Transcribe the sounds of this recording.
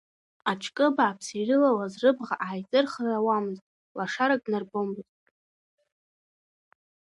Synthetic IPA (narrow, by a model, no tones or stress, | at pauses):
at͡ʃʰkʼɨbaːpʰsirɨlalazrɨbʁaʔajt͡sʼɨrχrawamɨztʼ | laʂaɾakʼnarbombɨzʼ